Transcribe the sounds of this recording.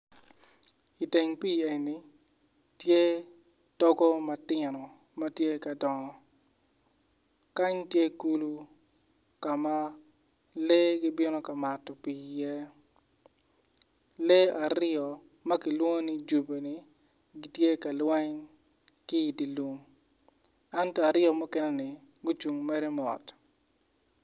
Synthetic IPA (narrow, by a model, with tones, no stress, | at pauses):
i˨te˨ŋpi˦e˨ni˨ | tje˦ | tɔ˦ɡɔ˦mɐ˨tɪnɔ˨ | mɐ˦tje˦ka˨dɔ˨ŋɔ˨ | ka˦ɲtje˦ku˦lu˦ | ka˨ma˦ | le˦ɡɪ˦bɪ˦nɔ˦ka˨ma˨tːɔ˨piː˨je˦ | le˦ʔa˨ɾɪɔ˨ | mɐ˦kɪ˨lwo˦ŋ˦ni˦d͡ʒu˨be˨ni˨ | ɡi˦tje˦ka˨lwɛ˦ɲ | kɪ˦i˨di˨lu˨ŋ | a˦ntɔ˦a˨ɾɪɔ˨mɔ˦kɛ˦nɛ˦nɪ˨ | ɡʊ˦t͡ʃu˨ŋmɛ˦ɾɛ˦mɔ̰˨t